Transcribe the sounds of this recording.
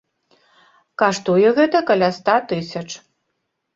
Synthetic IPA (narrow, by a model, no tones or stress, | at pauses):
kaʂt̪ujɛɣɛt̪ɐkɐlʲast̪at̪ɨsʲɐt͡ʂ